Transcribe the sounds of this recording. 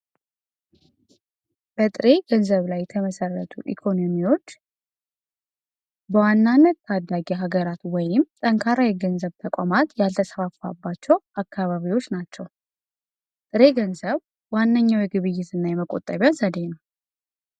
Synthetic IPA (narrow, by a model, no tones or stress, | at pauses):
b̥ət̪ʼɨɾe̞ɡənzəβlajt̪ʰəməsərːə̰t̪ʰuʔḭkʰo̞no̞miwo̞t͡ʃː | bəwanːanːət̪t̪ʰad̪ːaɡɛɦaɡəɾat̪wɔjɪmt̪ʼəŋkʰaɾajɛɡənzəβt̪ʰəkʷʼamat̪jalt̪ʰəsəfafa̰bːat͡ʃːɛwakʰːaβaβiwo̞t͡ʃːnat͡ʃːɛw | t̪ʼɨɾe̞ɡənzəβ | wanːəɲːawjɛɡɨβɨjːɪt̪ɨnːajɛməkʼot̪ʼːəβjazəd̪e̞nəw